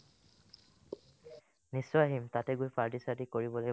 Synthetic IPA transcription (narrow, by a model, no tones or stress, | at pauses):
nisːɔjaɦimtatɛɡujpaɹtisatikoɹibɔloj